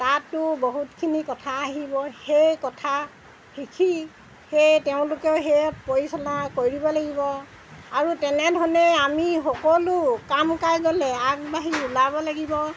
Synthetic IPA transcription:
tatːʊboɦutkʰinikɔtʰaːɦibɔhejkɔtʰa | xikʰi | xejteʊ̃lʊkɛʊɦepoɹisɔnakoɹibɔlaɡibɔ | aɹutɛnɛdʱɔnɛamixɔkɔlʊkamkajɡɔlɛakbaɦiulabɔlaɡibɔ

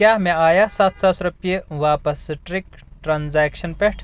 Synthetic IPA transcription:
kʲaːɦmẽaːjasaːt̪ʰsasɾɐpijeʋaːpɐsʈɾik | ʈɾaːnzɛːkʃɐnpeʈʰ

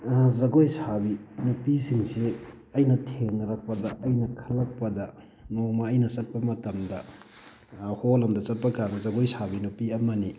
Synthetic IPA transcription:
zɐɡojsabinupisiŋsi | ɐjnɐtʰeŋɐɾɐk̚pɐdɐʔɐjnɐkʰɐlːɐk̚pɐdɐ | nomɐːjnɐsɐt̚pɐmɐtɐmdɐ | holɐmdɐsɐt̚pɐkaɾbɐzɐɡojsabinupiɐmɐni

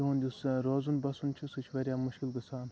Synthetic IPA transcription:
uɦũnd̪ʲusɾoːzunbɐsunt͡ʃʰisɨt͡ʃʰʋɐɾʲjaːmuʃkilɡɨsaːn

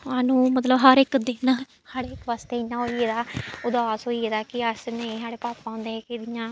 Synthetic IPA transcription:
aːnũːmət̪ləbɦəɾɪkd̪ɪn | saːɽeːɪkʋaːst̪eːɪjãːɦoːieːd̪aːʊd̪aːsɦoːieːd̪aːkɪəsnẽsaːɽeːpaːpːãʊ̃ːnd̪eːɛːkɪd̪ɪjãː

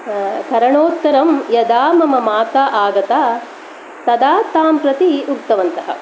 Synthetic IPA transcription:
kɐɾɐɳoːt̪ːɐɾɐmjɐd̪aːmɐmɐmaːt̪aʔaːɡɐt̪aː | t̪ɐd̪aːt̪aːmpɾɐt̪iuk̚t̪ɐʋɐnt̪ɐɦɐ̰

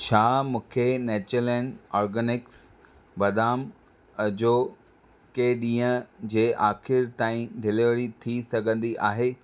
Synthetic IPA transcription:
ʃaːmũːkʰeneːt͡ɕəlɛ̃ɳɖɔːɾɡənɪks | bɐd̪aːm | ɐd͡ʑo | keɗĩːə̃d͡ʑeːʔaːxɪɾt̪aːĩɖʱɪleʋəɽit̪ʰisɐɡʱə̃nd̪iʔaːɦeː

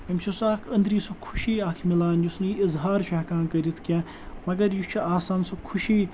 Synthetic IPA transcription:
imt͡ʃʰisaːkʰɐnd̪ɾiːsɐkʰuʃiːaːkʰmilaːnjusnɨiɪzɦaːɾt͡ʃʰɐkãːnkɐɾit̪ʰkʲã | mɐɡɐɾjut͡ʃʰuaːsaːnsɐkʰuʃiː

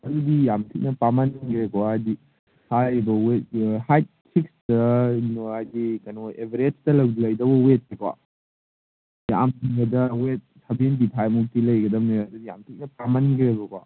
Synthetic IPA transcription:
ɐdudijamtʰik̚nɐpamɐnkɾekwaːdi | saebɐwethajt̚sʰikstɐnajɡikɐnoebʱiɾetʰtɐlɐwlɐjdɐbɐwet̚ːekwa̰ | ja̰mtʰiŋbɐdɐwet̚sʰɐbenditʰajmuk̚tilɐjɡɐdɐmneɐdudija̰mtʰik̚nɐpamɐnkɾebɐkowa̰

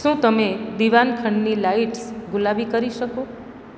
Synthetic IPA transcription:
ʃũt̪əmed̪iʋankʰəɳɖnilaiʈsɡʊlabikəɾiʃəko

